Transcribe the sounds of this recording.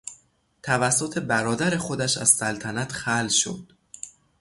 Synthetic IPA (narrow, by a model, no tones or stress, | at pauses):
t̪ʰævæsːo̞t̪ʰe̞bæɾɒːd̪æɾe̞xo̞d̪æʃæ̰z̥sælt̪ʰænæt̪xælʃo̰d̪̥